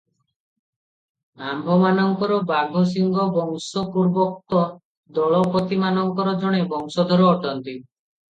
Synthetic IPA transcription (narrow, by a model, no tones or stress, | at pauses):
ambʱɔmanɔŋkɔɾɔbaɡʱos̬iŋɡɔbɔŋsɔpuɾbɔk̚t̪ɔ | d̪ɔɭɔpot̪imanɔŋkɔɾɔd͡ʒʱɔɽ̃ebɔŋsɔd̪ʱɔɾɔːʈɔnt̪i